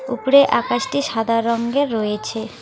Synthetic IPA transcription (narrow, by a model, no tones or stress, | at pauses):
upɾeʔakaʃʈiʃad̪ʱaɾːɔŋɡeɾːɔjet͡ɕʰe